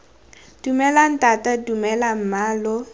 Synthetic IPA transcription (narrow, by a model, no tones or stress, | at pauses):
d̥umɛlan̩tʼatʼadumɛlam̩maːlɔ